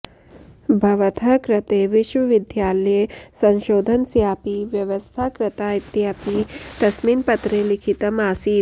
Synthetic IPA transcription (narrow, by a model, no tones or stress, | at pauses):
bʱɐʋɐt̪ʰɐkɾɐt̪eːʋiʃʋɐʋid̪ʱjaːljesɐ̃nʃoːd̪ʱɐnsjaːpiʋjɐʋɐst̪ʰaːkɾɪt̪aːit̪jaːpid̪̥ɐsminpɐt̪ɾeːlikʰit̪ɐmaːsiː